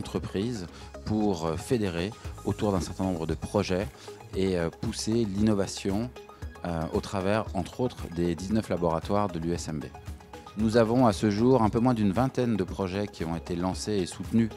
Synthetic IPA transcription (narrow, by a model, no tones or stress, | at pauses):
t̪χəpχiz | puʁfed̪eʁeot̪uʁd̪ɛ̃sɛʁt̪ɛ̃nɔ̃bʁəd̪əpχɔʒɛ | eøpuselinɔvasjɔ̃ | øot̪χavɛʁɑ̃t̪χot̪χd̪ed̪iznœflabɔʁat̪waʁd̪əlyɛsɛmbḛ | nuzavɔ̃asəʒuʁɛ̃pømwɛ̃d̪ynvɛ̃t̪ɛnd̪əpχɔʒɛkʲiɔ̃et̪elɑ̃seːsut̪ny